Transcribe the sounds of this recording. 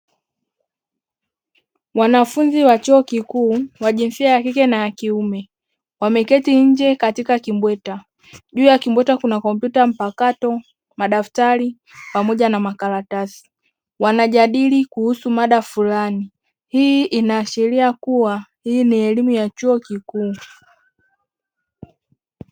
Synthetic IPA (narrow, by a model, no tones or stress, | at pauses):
wanafunziwat͡ʃuɔkikuːwaʄinfiajakikɛnajakiumɛ | wamɛkɛtiɲ̩d͡ʒɛkatikakimbwɛta | ʄuːjakimbwɛtakunakɔmp̬jutam̩pakatɔ | maɗaftali | pamɔʄanamakaɾatasi̥ | wanaʄaɗilikuhusumaɗafulani | hiʔinaːʃɛɾiakuwahiiniɛlimujat͡ʃuɔkikuː